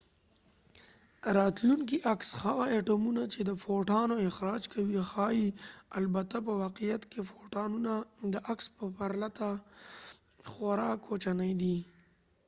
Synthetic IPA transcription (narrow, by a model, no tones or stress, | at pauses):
ɾɑt̪luŋkiʔaksxawaeʈumunat͡ʃed̪əfoʈɑnoɪxɾɑd͡ʒkʰawixɑjialbat̪apəwɑqijat̪kefoʈɑnunad̪əʔakspəpaɾlat̪a | xaɾɑkʰːot͡ʃanəjd̪i